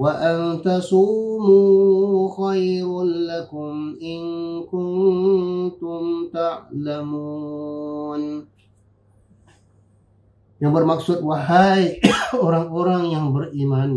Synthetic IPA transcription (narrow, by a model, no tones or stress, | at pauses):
waʔant̪asumuxajɾnlakʊmɪŋkʊn | t̪ʊmt̪aʕlamu | n | jaŋbərmaksʊt̪̚waɦajoɾaŋoɾaŋjaŋbərʔiman